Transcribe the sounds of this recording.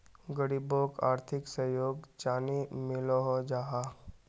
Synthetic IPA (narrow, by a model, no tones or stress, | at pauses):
ɡəɽiboːka̰ːɾt̪ʰɪksəjoːɡt͡ʃaːnimɪloɦod͡ʒaːɦa